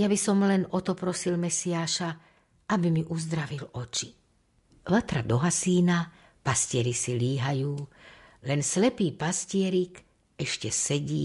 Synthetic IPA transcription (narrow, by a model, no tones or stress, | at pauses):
jabisɔmlɛnɔt̪ɔpɾɔsilmɛsiaːʃa | abimiʔuzd̪ɾaʋilɔt͡ʃi̥ | ʋat̪ɾad̪ɔɦasiːna | pascɪɛɾisiliːɦajuː | lɛnslɛpiːpascɪɛɾik | ɛʃcɛsɛɟiː